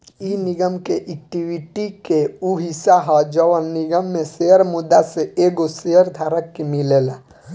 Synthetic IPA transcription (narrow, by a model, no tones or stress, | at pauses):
iniɡəmkeʔɛk̚ʈiwiʈikeuɦisaɦɔd͡ʒəʋənniɡəmːẽseɦəɾmud̪ːaseeɡoseɦəɾd̪ʱaːɾəkːemileːla